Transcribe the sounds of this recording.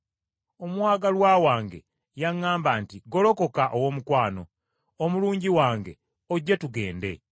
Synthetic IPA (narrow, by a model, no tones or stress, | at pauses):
omwaːɡalwaːwaːŋɡe̞̰ | jaŋːaːmbaːntiɡo̞lo̞ko̞kaʔowomukwaːno̞ | omuluːɲɟiwaːŋɡe̞ | oɟːetuɡe̞ːnde̞̰